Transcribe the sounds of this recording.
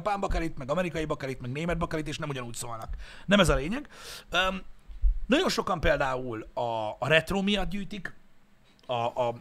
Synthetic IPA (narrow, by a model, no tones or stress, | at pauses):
paːmbɒkaɾit̪mɛɡɒmɛɾikɒjibɒkaɾit̪mɛɡneːmɛd̪̚bɒkaɾit̪eːʃnɛmuɟɒnuːcsoːlnɒknɛmɛzɒleːɲɛɡø | nɒɟo̞nʃo̞kɒmpeːld̪aːulɒːɾɛt̪roːmijɒt̪̚ɟyːjt̪ik | ɒʔ